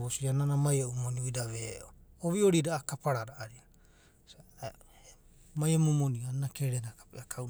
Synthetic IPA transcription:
βosiananamajaʔumoniujdaβeʔooβioɾidaːkapaɾaɾaʔːɾia | majamomonianakeɾenakapeakʰaw

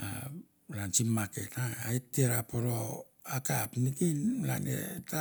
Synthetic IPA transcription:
a̰ | lant͡ʃimːake̞taːitːeɾapoɾo | akapnikinla̰nḛta

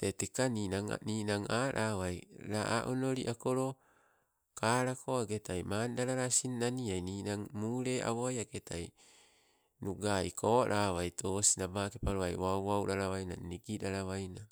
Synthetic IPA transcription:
tetekaniːnaŋa̰niːnaŋaːɾʔawajɾaʔaʔonoɾiʔakoɾo | kaːɾakʰoaɡetajmaːndaɾaɾasinːaniajniːnaŋmuɾe̞ʔa̰βoajaketʰaj | nuɡaikʰoɾʔawajtʰosinabakepaɾoajwawawɾaɾawajna̰niɡiɾaɾawajna

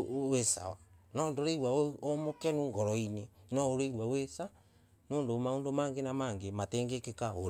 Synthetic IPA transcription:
wesa̰wanɔndoɾeiɾwaomokɛnoːŋɡɔɾɔinenɔoɾeɾwawesa | noːndomaondomaːŋɡenamaːŋɡematɛːŋɡekekaoɾ

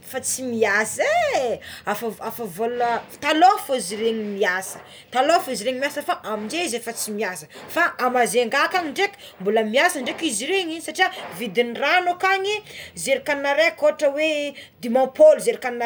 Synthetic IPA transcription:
fat͡simiase | afaafavolət̪alofoziɾeɲimiasə̥ | t̪alofoiziɾeɲimiasəfaʔamind͡ʒeizefat͡simiasə̥faʔamazeŋɡakaɲiɳɖ͡ʐekʲi̥ | mbuləmiasəɳɖ͡ʐekiziɾeɲisaʈ͡ʂiavid̪inranokaɲizeɾikanːaɾekoʈ͡ʂəwed̪imãpolzeɾikan

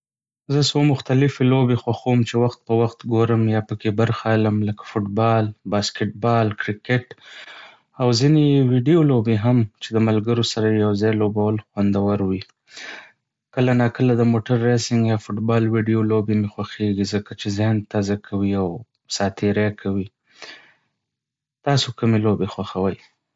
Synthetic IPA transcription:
zəswomʊxt̪alɪfelobexwaxowmt͡ʃewaxt̪̚pəwaxt̪ɡoɾəmjɑpəkebəɾxaləmləkḁfʊʈbɑlbɑskɪʈ̚bɑlkɾɪkeʈ | awzinewiɖijolobeɦamt͡ʃed̪əmalɡəɾosaɾajawzɑjlobawəlxwand̪awaɾwi | kəlanɑkəlad̪əmoʈaɾːasɪŋɡjɑfʊʈbɑlwiɖijolobemexwaxeɡizəkat͡ʃezɪhnt̪ɑzakʰawiaw | sɑt̪ʰeɾakʰawi | t̪ɑsokəmelobexwaxawəj

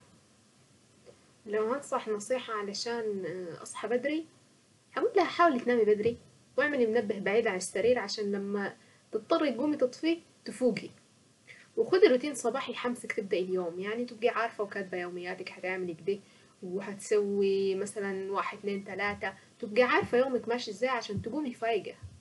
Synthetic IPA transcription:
lawhænt̪sˤɑħnɑsˤiːħɑʕalæʃaːnʔɑ̰sˤħɑbæd̪ɾi | haɡuːt̪læhæħaːwelit̪naːmibæd̪ɾi | weʕmelɪmnæbːɪhbaʕiːd̪ʕanɪsːæɾiːɾʕaʃaːnlæmːæ | t̪ɨt̪̚ˤːɑrˤːilɡuːmit̪ɨt̪ˤfiː | t̪ɪfuːɡi | wexʊd̪elet̪iːnsˤɑbɑːħijħamsækt̪eb̚d̪æʔiljoːmjaʕnit̪ɪb̚ɡiʕɑɾˤfæwkæːt̪̚bæjoːmɪjːæːt̪ækhæt̪eʕmelɪkd̪eː | wehæt̪sæwːimæsælænwaːħed̪t̪neːnt̪ælaːt̪æ | t̪ɪb̚ɡiʕɑːɾˤfæjoːmækmæːʃiʔzːæːjʕaʃæːnt̪ɪɡuːmifæːjɡæ

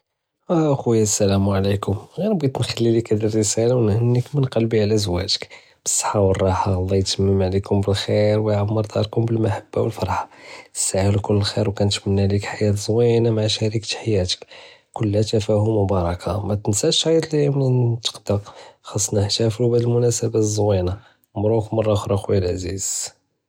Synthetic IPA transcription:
ʔæxwjæsːælæmʕlikʊmɣænbːit̪nxælːilikæd̪irːəsælawnhənːəkmənqɑlbiʕlæzwæ̰ʒə̥k | b̥ə̥sˤːɑ̥ħɑwərˤːɑħɑɣɑd̪ˤːijt̪əmːəmʕlikʊmbəlxiɾwəjʕamːəɾd̪ɑ̰ɾˤkʊmbəlmaħab̥ːa̰wəlfɑɾˤħɑ̥saʕəlkʊlːəlxiɾwkænət̪mənːælikħajæt̪zˤwinamaʕʃæɾikt̪ħajæt̪ə̥kkʊlːæt̪æfæhʊmʊbɑɾˤɑkʰamæt̪ənsæʃɑjt̪limnt̪ə̥qd̪ɑxɑsˤːnəħt̪æfɾubæd̪əlmʊnæsəbæzˤwina | mɾˤukmɑrˤːɑxɾˤɑxwlʕaziz̥

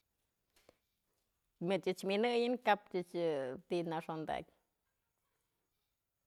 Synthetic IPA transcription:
mɨt͡ʃɨt͡ʃminɨjɨnkapt͡ʃɨt͡ʃɨt̪inaʂond̪a̰kʲ

